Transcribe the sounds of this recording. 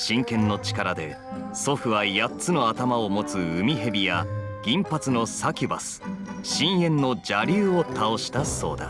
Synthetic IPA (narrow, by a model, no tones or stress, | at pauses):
ɕĩŋkẽ̞nːo̞t͡ɕi̥kaɾad̪e̞̰ | so̞ɸɯ̟βajat͡sɨno̞at̪amao̞mo̞t͡sɨɯmʲiɦe̞bʲija | ɡ̥ʲĩmpat͡sɨno̞sakʲiba̰sɨ̥ɕĩɰ̃jẽ̞nːo̞d͡ʑaɾʲɨːot̪ʰao̞ɕi̥t̪aso̞ːd̪a̰